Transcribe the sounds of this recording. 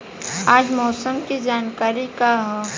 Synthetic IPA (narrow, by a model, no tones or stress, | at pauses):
aːd͡ʒmɔːsəmkid͡ʒaːnkaːɾikaɦõ